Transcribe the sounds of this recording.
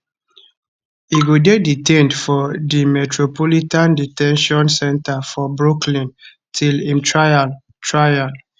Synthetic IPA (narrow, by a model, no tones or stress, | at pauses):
iɡodeditẽndfɔdimɛtɹopɔlitãnditɛ̃nʃɔ̃nsɛ̃ntafɔbɹuklĩn | tʰilĩmtɹaa | tɹajal